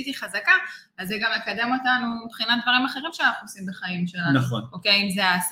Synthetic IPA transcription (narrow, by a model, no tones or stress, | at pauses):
t̪iχazaka | azːeɡamekademo̞tanuibχinat̪d̪vaʁimaχe̞ʁimʃeanaχnuosimbeχaimʃelaaχo̰nokejimzeas